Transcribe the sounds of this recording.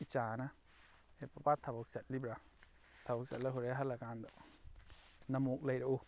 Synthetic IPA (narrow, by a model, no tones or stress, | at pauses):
it͡ʃaːnã | epabat̪ʰaboksaʔlibɾa | t̪ʰaboksa̰ʔlaɦuɾeɦalaɡand̪oʔ | nãmũkləjɾaʔu